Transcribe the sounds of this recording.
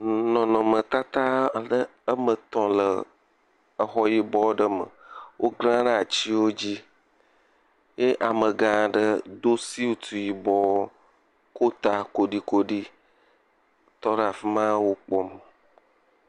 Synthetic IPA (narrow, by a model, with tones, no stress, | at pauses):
nɔ̃˨nɔ̃˨mə̃˨t̪a˦t̪a˦ɖə˦ə˦mə˨t̪ɔ̃˨lə˨ | ə˨xɔ˦ji˦bɔ˦wɖə˦mə̰˨wʔo˦ɡlã˦ɖə˦a˨t͡ɕi˦wo˦d͡ʑi˦ | je˦ʔa˨mə̃˨ɡã˦˨ɖə˦d̪o˦si˦u˨t̪u˨ji˨bɔ˦ | ko˦t̪a˦ko˨ɖi˦ko˦ɖi˦ | t̪ɔ˦ɖə˦a˨fi˦mã˦wo˦k͡pɔ˦m˨